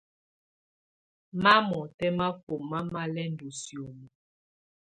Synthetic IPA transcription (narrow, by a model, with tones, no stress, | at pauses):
ma˦mɔ˨tɛ˦ma˦fo˨ma˦ma˦lɛ˦n̩˨do˨sjo˨mu˨